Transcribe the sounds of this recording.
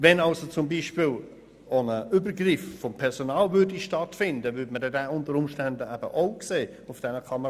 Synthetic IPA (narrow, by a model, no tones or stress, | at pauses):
vɛnɑlsot͡sʊmbiːʃpɪːl | onəʔybəɾɡrɪffɔmpʰɛɾsonɑːlvʏɾdiʃtɑtfɪndəvʏɐdmədɛdɛːʊntəɾʊmʃtændəæb̥ə̰ʔoʊkseː | ʊfd̥ɛnəkʰɑmə